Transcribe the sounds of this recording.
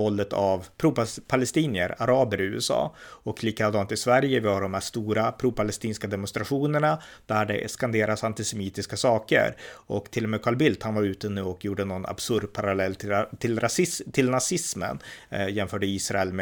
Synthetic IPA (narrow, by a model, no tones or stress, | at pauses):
ɔlːət̪ʰavpʰɾuːppʰalɛst̪iːnɪə̰ɾaɾɑːbəɾɪʉ̟ːɛsɑ̰ːɔkliːkad̪ɑːnt̪ɪsvæɾjəvɪhaɖɔmhɛsst̪uːɾapʰɾuːpʰalɛst̪iːnskad̪ɛmʊnst̪ɾaɧuːnəɳa | d̪̥æɖɛ̰skand̪eːɾasant̪ɪsɛmiːt̪ɪskasɑːkə̰ɾɔkt̪ʰɪlːɔmeːkʰɑːɭbɪlt̪hanvaɾʉ̟ːt̪ənʉ̟ːɔkjuːɖənɔɡna̰b̥sɵɾɖ̪̚pʰaɾalɛlːt̪ʰɪlɾasɪt̪ʰɪlnasɪsmə̰njɛnfœːɖəiːsɾaɛlm